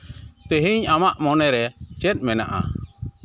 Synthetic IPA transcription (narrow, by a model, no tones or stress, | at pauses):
t̪eɦiɲamaʔmɔnɛɾɛt͡ʃɛt̪̚mɛna̰ʔa̰